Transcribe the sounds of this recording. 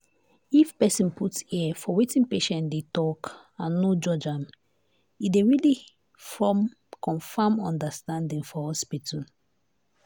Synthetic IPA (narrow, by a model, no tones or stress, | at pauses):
ifpɛsĩnputsiafɔwetĩnpeʃɛ̃ndetɔk | ãnːod͡ʒɔd͡ʒãm | ideɹili | fɔm | kɔ̃nfamɔ̃ndəstãndĩŋfɔhɔspitʰɔ̃